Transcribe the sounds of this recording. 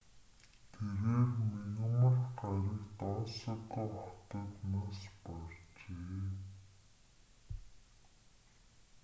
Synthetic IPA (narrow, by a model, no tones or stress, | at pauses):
t̪ʰeɣeːrminimarɢaɾiːkt̪ɔːsə̆t̪ːəχʊt̪ə̆t̪naːspɔɮt͡ɕeː